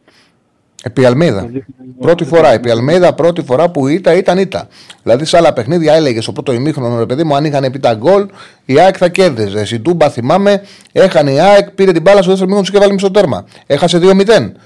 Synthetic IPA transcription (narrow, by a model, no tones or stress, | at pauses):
epiɐlmejðɐ̰pɾo̞t̪ifo̞ɾɐepiɐlmejðɐpɾo̞t̪ifo̞ɾɐpuit̪ɐit̪ɐnit̪ɐ̰ | ilɐðisɐlɐpe̞xniðʝɐe̞leʝest̪o̞pɾo̞t̪o̞imixɾonoɾe̞pe̞ðimuɐnixɐnepit̪ɐɡo̞l | iɐekθɐce̞ɾðize̞sid̪umbɐθimɐme̞ | e̞xɐniɐekpiɾe̞t̪ibɐlɐsuðes̬emixot̪siçevɐlimist̪ot̪e̞ɾmɐ̰ | e̞xɐs̬e̞ðio̞mit̪e̞n